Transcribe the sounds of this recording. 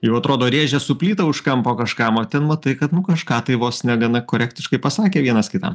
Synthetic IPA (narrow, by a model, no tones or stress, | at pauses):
jɛʊɐt̪ɾoːd̪oːɾʲeːʒʲɛsʊpʲlʲiːt̪ɐʊʃkɐmpoːkɐʃkɑmoːt̪ʲɛnmɐt̪ɐɪkɐt̪nʊkɐʃkɑːt̪ɐɪʋoːsnʲɛɡɐnɐkoːɾʲæːkt̪ʲɪʃkɐɪpɐsɑːkʲeːʋʲiɛnɐskʲɪt̪ɐ̰m